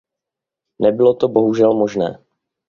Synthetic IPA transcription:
nɛbɪlo̞t̪o̞bo̞ɦuʒɛlmo̞ʒnɛ̰ː

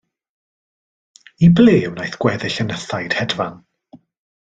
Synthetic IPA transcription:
ibleːwnajθɡ̥wɛðɪɬənəθajd̥hɛdvan

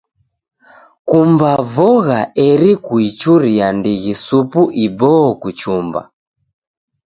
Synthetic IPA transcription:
kumbavɔɣaɛɾikuit͡ʃuɾiandiɣisupuʔibɔːkut͡ʃumba̰

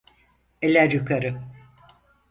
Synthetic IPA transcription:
elʲæɾjukʰaɾɯ

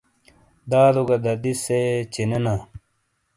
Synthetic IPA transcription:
d̪aːɾoɡɐd̪ɐd̪iset͡ɕinena

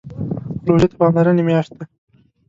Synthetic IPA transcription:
loʒet̪abɑnlaɾənemjɑʃt̪̚d̪a

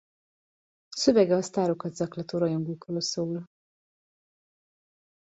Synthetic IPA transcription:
sø̞vɛɡɛɒst̪aːɾo̞kɒt̪zɒklɒt̪oɾɒjoŋɡukroːlsoːl

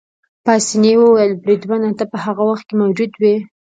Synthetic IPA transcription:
pɑsinewəwjəlbɾid̪wanat̪apəhaɣawaxt̪̚kemawd͡ʒud̪wi

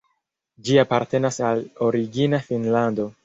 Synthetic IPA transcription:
d͡ʒiapaɾte̞nasalo̞ɾiɡinafinlando̞

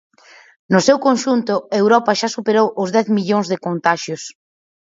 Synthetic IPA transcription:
nʊsewkonʃunt̪ʊewɾɔpaʃasupeɾowʔʊzðɛθmiʎoŋzðɪkont̪aʃjʊs

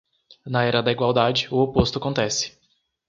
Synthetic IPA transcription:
nɐɛɾɐd̪ɐiɡwawd̪ad͡ʒɪʊopost̪ʊakõnt̪ɛsɪ̥

